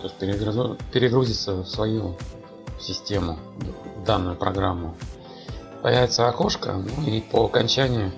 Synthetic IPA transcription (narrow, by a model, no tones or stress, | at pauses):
t̪oɪsʲt̚ʲpʲɪɾʲɪɡɾpʲɪɾʲɪɡɾuzʲɪt̪səfsvɐju | sʲɪsʲtʲe̞mʊd̪anːʊjʊpɾɐɡɾamːʊ | pɐ̰jævʲɪt̪səɐko̞ʂkə̰nuipəɐkɐnʲt͡ɕænʲɪjʊ